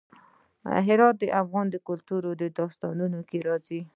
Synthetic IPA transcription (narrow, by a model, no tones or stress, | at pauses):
ɦɪɾɑt̪̚d̪əʔafɣɑnd̪əkʊlt̪uɾod̪əd̪ɑst̪ɑnunokeɾɑzi